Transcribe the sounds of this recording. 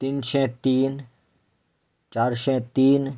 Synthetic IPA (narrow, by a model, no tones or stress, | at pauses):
t̪inʃɛ̃t̪iːn | t͡ʃaːɾʃɛ̃t̪iːn